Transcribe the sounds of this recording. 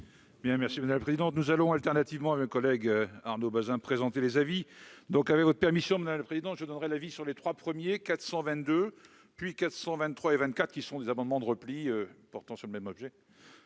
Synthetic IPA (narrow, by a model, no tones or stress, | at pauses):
bjɛ̃mɛʁsimad̪amlaəpχezid̪ɑ̃t̪nuzalɔ̃alt̪ɛʁnat̪ivmɑ̃amøkɔlɛɡaʁnobazɛ̃pχezɑ̃t̪elezavid̪ɔ̃kavɛkvɔt̪χəpɛʁmisjɔ̃mad̪amləpχezid̪ɑ̃ʒəd̪ɔnʁɛlavisyʁlet̪χwapχəmjekat̪sɑ̃vɛ̃t̪d̪ø | pɥikat̪χsɑ̃vɛ̃nːχwaevɛ̃nt̪̚kat̪χəkʲisɔ̃d̪ezamɑ̃d̪mɑ̃d̪əʁəpliøpɔʁt̪ɑ̃syʁləmɛmɔbʒɛ